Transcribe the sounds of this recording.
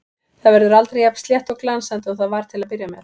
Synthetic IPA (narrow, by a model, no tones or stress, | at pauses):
θaðvɛɾðʏɾalt̪ɾejapst̪ljɛht̪ɔɣklansant̪ɔɣθaðvaɾ̥t̪ʰɪlaðpɪɾjamjɛɾ̥